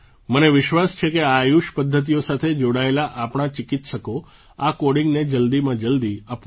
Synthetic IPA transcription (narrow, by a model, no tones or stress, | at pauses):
məneʋɪʃʋast͡ʃʰekeajuʃpəd̪ʱːət̪̬ijosat̪ʰed͡ʒoɽaelaʔapɽ̃at͡ʃɪkit̪ʃəko | akoɽiŋɡned͡ʒəld̪imãd͡ʒəld̪iap